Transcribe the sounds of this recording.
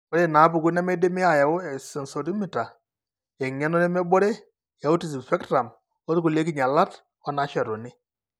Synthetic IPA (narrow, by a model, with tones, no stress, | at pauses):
ɔ˦ɾe˦˨na˨˦bu˨ku˦nɛ˦mɛ˦de˦mɪ˦a˨ja˨o˦ɛ˨si˨nsɔ˨ɾi˦mi˨ta˨ | ɛ˨ɲɛ˦nɔ˦nɛ˦mɛ˦bɔ˦ɾe˦ | ja˨u˦ti˨s̬i˨pɛ˦ktɾa˨m | ɔ˦tku˨le˦k̬i˦ɲa˨la˦t | ɔ˦na˨˦ʃɛ˨ɾɔ˨nɪ˦